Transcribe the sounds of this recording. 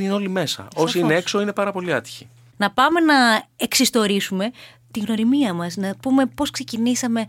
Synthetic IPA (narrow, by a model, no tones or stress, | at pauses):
ineo̞lime̞sɐ̰o̞siinee̞kso̞ine̞pɐɾɐpo̞liɐt̪i̥çi̥ | nɐpɐme̞nɐeksist̪o̞ɾisume̞ | t̪iɣno̞ɾimiɐmɐsnɐpume̞po̞skse̞cinisɐme̞